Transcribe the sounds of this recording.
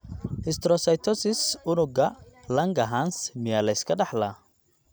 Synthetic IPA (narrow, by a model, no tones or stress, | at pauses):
ʔɪst̪ɾɔsɐjt̪ʰɔsɪsʊnʊɡɐlɐŋɡɐɦansmɪjaːlɐɪskʰɐɖɑħla